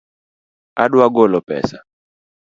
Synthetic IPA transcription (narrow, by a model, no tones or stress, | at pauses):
aɗuaɡɔlɔpɛ̰sḁ